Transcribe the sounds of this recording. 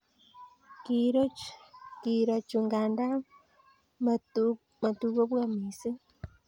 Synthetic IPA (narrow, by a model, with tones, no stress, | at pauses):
kiɾo˦ki˨ɾa˨t͡ʃu˨ŋɡaː˨nda˦ | m | ma˨tu˨ko˦βwamiːsi˦